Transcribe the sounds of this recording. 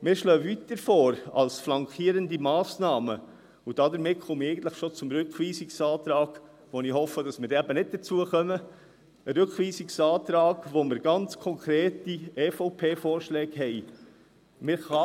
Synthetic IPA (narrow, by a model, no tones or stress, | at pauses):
mɪːɾʃlœːvit̪əɾfɔːɾɑ̰lsflɑŋkχiːəɾəndimɑːsnɑːmə | ud̥ɑdəɾmɪt̚χɔmɛɪɡən̩t̪ləχʃot͡sʊmɾʏkχʋiːsiksɑːt̪ɾɑːɡ̥ | ʋonihɔfəd̥ɑsmɪːɾdæbənɪt̚d̥əɾt͡suəχœmə | əɾʏkχʋiːsiksɑːt̪ɾɑːɡʋomɪɾɡɑnt͡skʰɔŋkʰɾeːtiɛːfɔʊpʰeːfɔːɾʃlɛːɡhɛɪ | mɪːɾχɑ